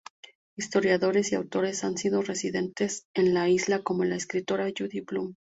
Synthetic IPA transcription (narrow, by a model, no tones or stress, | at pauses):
ist̪o̞ɾjaðo̞ɾe̞siawt̪o̞ɾe̞sansiðo̞re̞siðe̞nt̪e̞se̞nlaizlako̞mo̞laeskɾit̪o̞ɾaʝuðiplum